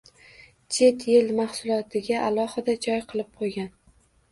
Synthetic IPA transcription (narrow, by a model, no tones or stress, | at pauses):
t͡ʃʰe̞t̪jelmaχsʊlˠɒt̪ʰɪɡʲaʔalˠɒhɨd̪ad͡ʒɒjqʰɨlˠɪp̚qʰojɡʲan